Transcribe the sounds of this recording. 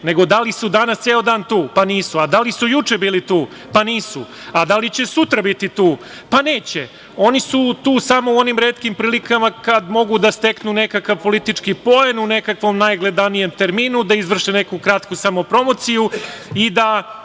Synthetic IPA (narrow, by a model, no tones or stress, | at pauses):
ne̞ɡo̞d̪alisud̪anast̪seːod̪aːnt̪uːpaniːsuad̪alisujut͡ʃebiːlit̪uː | paniːsṵ | ad̪alit͡ɕe̞sut̪ɾabit̪it̪uː | paneːt͡ɕe | o̞nisut̪uːsamo̞uo̞nimɾeːt̪kimpɾiːlikamakad̪mo̞ɡud̪ast̪e̞knune̞kakaʋpo̞lit̪it͡ʃkipo̞enune̞kakʋo̞mnajɡled̪anije̞mt̪e̞ɾmiːnud̪aizʋr̩ʃene̞kukɾat̪kusamopɾo̞mot̪sijuid̪a